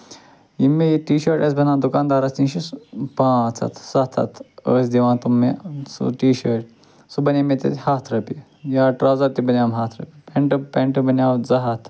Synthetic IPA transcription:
jimːijiʈiːʃəɾʈɐs̬bɐnãːnd̪ukaːnd̪aːɾast̪ĩnʃispãːt͡sʰa̰t̪ʰsat̪ʰa̰t̪ʰəːsd̪iʋãːt̪umːesṵʈiːʃəɾʈ | subɐnʲemet̪ḛt̪ʲhaːt̪ʰɾɐpi | jaːʈɾawzɐɾt̪ibɐnjaːmɦaːt̪ʰɾɐ̰pipeɳʈpeɳʈɨbɐnawd͡zɐɦat̪ʰ

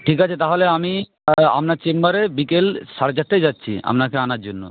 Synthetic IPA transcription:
ʈʰikat͡ɕʰet̪aɦoleami | a̰mnaɾt͡ɕembaɾebikelʃaɾet͡ɕaʈ̚ʈajd͡ʑatːɕʰḭa̰mnakeanaɾd͡ʑonːo̰

